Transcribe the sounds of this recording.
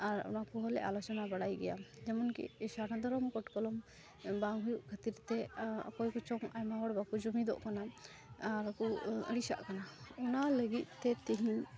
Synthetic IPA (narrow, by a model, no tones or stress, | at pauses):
aɾɔ̰nakɔɦɔlɛ̰ʔa̰lɔt͡ʃɔnabaɽajɡɛja̰d͡ʒɛmɔnkḭsanad̪ɔɾɔmkɔʈkɔlɔm | baŋɦujuʔkʰat̪iɾt̪ɛ̰kɔjkɔt͡ʃɔŋa̰jmaɦɔɽbakud͡ʒumid̪ɔ̰ʔkana | aɾkɔə̰ɽisa̰ʔkanaɔnaləɡit̪̚ˀt̪ɛt̪ɛɦiɲ